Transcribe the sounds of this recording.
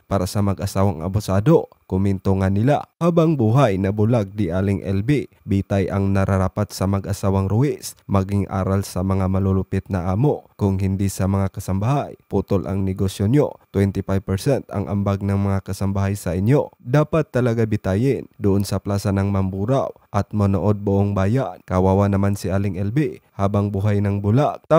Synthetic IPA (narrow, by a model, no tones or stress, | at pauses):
paːɾasɐmɐɡʔɐsaːwɐŋʔɐ̰bʊsaːd̪o̞ | kʊmɛnt̪oŋanɪla̰haːbɐŋbuːɦajnɐbʊlaɡ̚d̪ɪʔaːlɪŋʔɛ̰lbi | bit̪ajʔɐŋnɐɾʔɐɾapat̪sɐmɐɡʔɐsaːwɐŋɾʊɛsmɐɡɪŋʔa̰ːɾalsɐmɐŋamɐlolʊpɪt̪̚nɐʔaːmokʊŋɦɪnd̪isɐmɐŋakɐsɐmbaɦajput̪olʔɐ̰ŋnɛɡosjonjot̪wɛnt̪ɪpajb̚pɛɹsɛnt̪ɐ̰ŋʔɐ̰mbaɡ̚nɐŋmɐŋakɐsɐmbaɦajsɐʔɪnjo̞d̪aːpat̪ːɐlɐɡabɪt̪aːjɪnd̪ʊʔonsɐplaːsɐnɐŋmɐmbuːɾaw | ʔɐt̪̚mɐnoʔo̞d̪̚bʊʔoŋbaːjankɐwaːwanɐmansɪʔaːlɪŋʔɛlbihaːbɐŋbuɦajnɐŋbula